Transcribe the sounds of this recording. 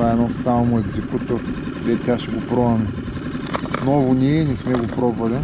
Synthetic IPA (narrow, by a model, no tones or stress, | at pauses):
aɛnɔsamʊɛɡzɛkut̪oɾkd̪ɛsʲaʃɛɡopɾɔɐmɛ | nɔvʊnʲiɛinɛsmɛɡopɾɔbɐlʲɛ